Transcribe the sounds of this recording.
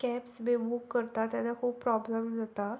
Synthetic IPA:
kɛpsbebukːəɾt̪at̪ɛnakʰuːb̚pɾɔbləmzət̪a

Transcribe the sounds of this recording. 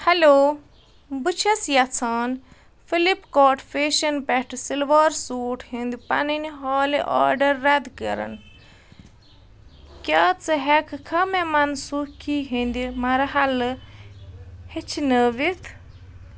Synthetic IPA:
hɐloː | bɨt͡ʃʰɐsjɐt͡sʰaːn | filipkoːʈʰfeːʃɐnpɛʈʰsilʋaːɾsuːʈʰhĩnd̪ipɐ̰niniɦaːliʔa̰ːɾɖɐɾːɐd̪kəɾɐ̰n | kʲaːt͡sɨɦɛkʰkʰɐmemɐnsukʰiɦĩnd̪imɐɾɐɦɐlɨ | het͡ʃʰinəʋit̪ʰ

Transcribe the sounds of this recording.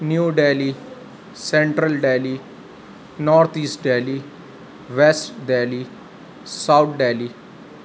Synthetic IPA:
njuːɖeːli | sẽɳʈɾəlɖeːli | nɔːɾt̪ʰiːsʈɖeːli | ʋesʈɖeːli | saʊt̪ʰɖeːli

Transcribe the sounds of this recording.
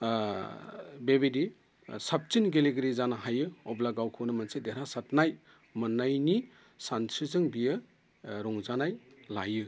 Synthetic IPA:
bebedi | sap̚t͡ʃinɡeleɡɾizanaɦajɯɔblaɡawkʰɯwnɯmɐnsedeɾasatnaj | mɯnajni | santʰɾizɯŋbijɯ | ɾɔŋzanajlajɯ

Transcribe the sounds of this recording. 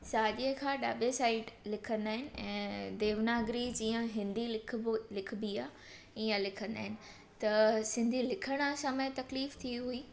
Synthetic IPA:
saːɗiəkʰaːɗaːbesaːɪɖlɪkʰə̃nd̪aːɦɪnɪ̆ɛ̃ːd̪eːʋnaːɡɾid͡ʑĩːə̃ɦɪ̃nd̪ilɪkʰlɪkʰbiaː | iːə̃lɪkʰə̃nd̪a̰ːɦɪnɪ̆ | t̪ɐsɪ̃nd̪ʱilɪkʰəɽ̃sɐmət̪ɐkliːft̪ʰiɦuiː

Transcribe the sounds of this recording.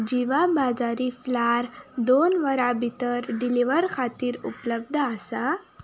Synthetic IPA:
d͡ʑiʋabad͡zaɾiflaɾd̪onʋəɾabʱit̪əɾɖiliʋəɾkʰat̪iːɾṵpləb̚d̪ʱəasa

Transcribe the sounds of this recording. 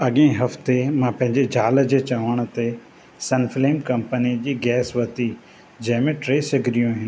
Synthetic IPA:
ɐɠẽɦɐft̪emãpɐ̃ɦɪ̃ɲd͡ʑed͡ʑʱaːld͡ʑeːt͡ɕaʋəɽ̃t̪e | sɐnfleːmkɐmpənid͡ʑiːɡɛːsʋɐt̪i | d͡ʑɐ̃ɦɪ̃mẽʈɾeːsɐɡʱɪɾijũaɦɪnɪ

